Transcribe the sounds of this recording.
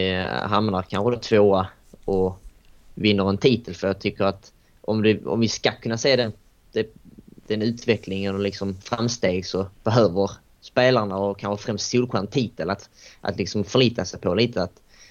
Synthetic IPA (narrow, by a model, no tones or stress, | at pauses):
ɪɦamnaɾkʰanɧəd̪at̪ʰvoːa | ɔ | vɪnːəɾɛnt̪ʰiːt̪əlfœɾjɑːɡ̚t̪ʰʏkːəɾat̪ | ɔ̰md̪ɛɔ̰mvɪskakʰɵnːaseːd̪ɛ | d̪̥ɛd̪̥ɛnʉ̟ːt̪vɛkʰlɪŋɛnəlɪksɔmfɾamst̪eːɡsɔb̥ɛɦøːvəɾ | speːlaɳaɔkʰanɧəfɾɛmst̪suːlkʰwant̪ʰiːt̪əlat̪ʔa̰t̪lɪksɔmfœɭiːt̪asɛjpʰɔliːt̪ʰəat̪